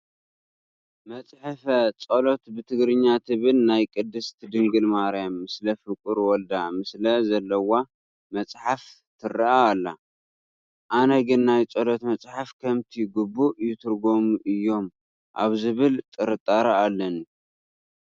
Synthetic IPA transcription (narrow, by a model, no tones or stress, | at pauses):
mɐt͡sʼħɨfɐt͡sʼolo̞t̪bɨt̪ʰɨɡɾɨɲːat̪ʰɨβɨlnajkʼɨd̪ːɨst̪ʰɨd̪ɨŋɡɨlmaɾjamːɨslɐfɨkʼɨɾwɔld̪amɨslɐzɐlːɐwa | mɐt͡sʼħaf | t̪ʰɨrɐʔaːlːa | ʔanɐɡɨnːajt͡sʼolot̪mɐt͡sʼħafkʰɐmt̪ʰiɡubːujɪt̪ʰɨɾɡo̞muʔɨjːo̞m | ʔa̰βzɨβɨlt̪ʼɨɾɨt̪ʼːaɾaalːɐnu